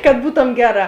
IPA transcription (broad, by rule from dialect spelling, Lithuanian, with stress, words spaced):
kɐt ˈbuːtoːm ˈɡʲæːˌrɑː